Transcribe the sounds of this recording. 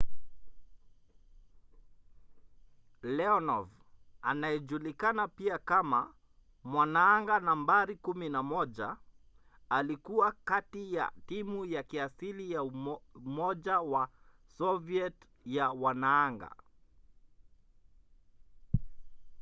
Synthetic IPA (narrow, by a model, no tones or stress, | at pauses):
lɛɔnɔv | anajɛʄulikanapiakama | mwanaaŋɡanambaɾikuminamɔʄa | alikuwakatija̰timujakiasilijauumɔʄawa | sɔviɛt | jawanaːŋɡa̰